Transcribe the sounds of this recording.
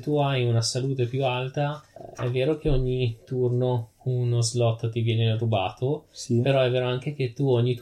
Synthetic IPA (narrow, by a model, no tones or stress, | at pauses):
t̪ːuajunasaluːt̪epjualt̪aɛ̰vːeːɾok̟eoɲːit̪urno | nozlɔt̪ːt̪ivjɛːneɾuba̰ːt̪ospeɾɔɛvːeːɾoaŋk̟ek̟et̪ːuoɲːit̪